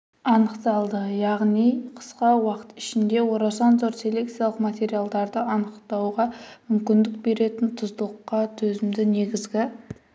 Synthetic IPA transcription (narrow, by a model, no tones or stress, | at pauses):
ɑnəqt̪ɑlˠd̪əjɑʁnijqʰə̥sqɑwɑqə̥t̪ɪ̥ʃɪnd̪e̞wo̞ɾɑsɑnzoɾt̪se̞le̞k̚t̪sijalˠəqmat̪ʲe̞ɾijalˠd̪ɑɾd̪əɑnəqt̪ɑwʁɑmʏmkʲɪnd̪ɪk̚be̞ɾe̞t̪ɪnt̪ʰʊzd̪lˠqːɑt̪ʰɵzɪmd̪ɪne̞ɡʲɪzɡʲɪ